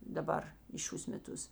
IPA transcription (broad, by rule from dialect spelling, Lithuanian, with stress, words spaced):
dɐˈbɐr iː ˈʃʲuːs mʲɛˈtʊs